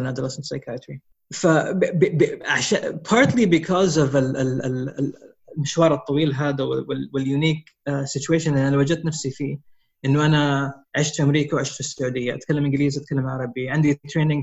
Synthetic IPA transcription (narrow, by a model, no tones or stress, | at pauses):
nad̪əlassˤɑjkʰat̪ɾi | fabbʕaʃa̰pʰɑːɾˤt̪libɪkʰɔzɔvɪɪlɪ | lmɪʃwɑːɾˤɨt̪ˤːɑwiːlɦaːd̪awɪwɪwɪljuniːk | sɪtueːʃanʔɪnanawad͡ʒad̪t̪ːnafsifiː | ʔɪnːuʔanaʕɪʃt̪fʔamɾiːkawʕɪʃt̪fɪsːʊʕuːd̪ɪjːaʔa̰t̪kalːamʔɪ̃ŋɡɪliːzʔat̪̚kʰalːamʕaʕɾˤɑbiʕɪnd̪it̪ɾeːnɪ̃ŋ